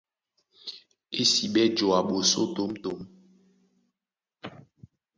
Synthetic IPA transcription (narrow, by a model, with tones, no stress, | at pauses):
e˦si˨ɓɛ˦d͡ʒo˨a˨ɓo˨so̰˦to˨˦mto˨˦m